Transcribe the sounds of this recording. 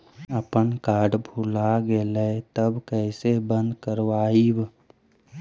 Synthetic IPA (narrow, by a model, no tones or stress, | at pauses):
əpənkaːɾɖbʱulaɡelet̪əbkɛɪsebə̃nd̪kəɾʋaːiw